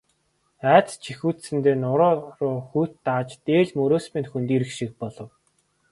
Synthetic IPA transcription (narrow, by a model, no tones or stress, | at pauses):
æːt͡st͡ɕʰixuːt̪sɘ̆nt̪eːnʊɾɔːrʊːxuːt̪ːaːt͡ɕt̪eːɮmɵɾoːspĭnxunt̪iːɾɘ̆kʃik̚pɔɮɞ̆w